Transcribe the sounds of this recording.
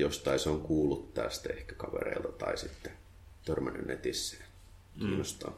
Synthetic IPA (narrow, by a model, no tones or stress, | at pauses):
jost̪ɑiseoŋkuːlːut̪tæːst̪æehkækɑʋḛrḛilt̪ɑt̪ɑisit̪ːe̥ | t̪ørmænːy̰nnet̪isːˑe̥ː | kiiːnːost̪ɑ̰n